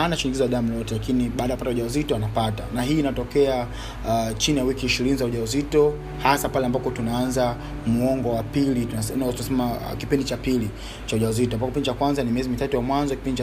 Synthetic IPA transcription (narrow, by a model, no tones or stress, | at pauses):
anaʃuɲiŋɡizaaɗam̩lɔtɛlakiniɓaːɗajpatauʄaɔzitɔanapata̰naɦiːnatɔkɛa | t͡ʃinijawikiːʃiɾinizauʄauzitɔ | hasapalɛambakɔtunaanza | muɔŋɡɔwapiliasɛntunasɛma̰kipindit͡ʃapili | t͡ʃauʄaɔzitɔmbakipindit͡ʃakwanzanimiɛzimitatujamwanzɔkipindit͡ʃ